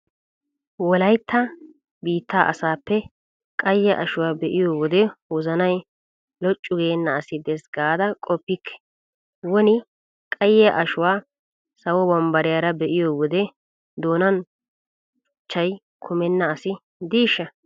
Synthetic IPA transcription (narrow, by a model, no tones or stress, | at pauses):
wɔlɐjt̪ʰːɐ | biːt̪ːaːʔɐ̰saːpːɛ | kʼɐjːɛʔɐʃʊwaːbɛʔɪjɔːwɔd̪ɛwɔzɐnɐj | lɔt͡ʃʼːʊɡeːnːɐːsɪd̪ɛsɡaːd̪ɐkʼɔpːɪkʰːɛ̥ | wɔnɪ | kʼɐjɛʔɐʃʊwaː | sɐwɔbɐmbɐɾɪjaːɾɐbɛʔɪjɔwɔd̪ɛ | d̪oːnɐn | ʊt͡ʃːɐj | kʰʊmɛnːɐːsɪ | d̪iːʃːɐ